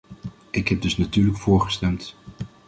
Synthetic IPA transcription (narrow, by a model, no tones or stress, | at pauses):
ɪkɦɛb̚dɵsnatyːɹləkfʊːɹχəstɛmt